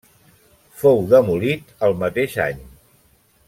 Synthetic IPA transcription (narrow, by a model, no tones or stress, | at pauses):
fowðəmulit̪əlˠmət̪eʃa̰ɲ